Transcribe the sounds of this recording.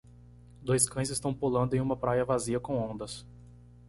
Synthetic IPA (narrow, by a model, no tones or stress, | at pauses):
d̪ojskɐ̃j̃zɪst̪ɐ̃w̃pulɐ̃nd̪ʊẽj̃ũmɐpɾajɐvaziɐkõw̃õnd̪ɐs